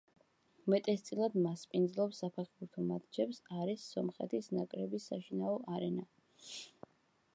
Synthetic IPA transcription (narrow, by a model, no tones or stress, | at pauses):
mɛt̪ʼɛst̪sʼilˠad̪maspʼind̪zlˠɔpsːapʰɛχbuɾt̪ʰɔmad̪d͡ʒɛpsaɾisːɔmχɛ̰t̪ʰisnakʼɾɛbisːaʃinaɔʔaɾɛna